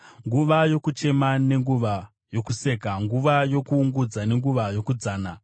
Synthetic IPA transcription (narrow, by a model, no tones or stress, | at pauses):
ŋɡuʋajo̞kut͡ʃe̞mane̞ŋɡuʋa | jo̞kuse̞ːkaŋɡuʋajo̞kuːŋɡud͡zane̞ŋɡuʋajo̞kud͡zaːna